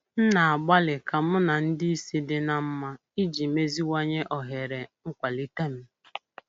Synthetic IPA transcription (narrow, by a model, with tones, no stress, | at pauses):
n̩˦na˨a˨ɡ͡ba˦lɪ˨ka˨m̩˦na˨n̩˦dɪ˦i˦si˦dɪ˨na˨m̩˦ma˦ | i˦d͡ʒi˨me˦zi˦wa˦ɲe˦ʔɔ˨ɦe˨ɾe˨ŋ̩˦kʷa˨li˦te˦m̩˦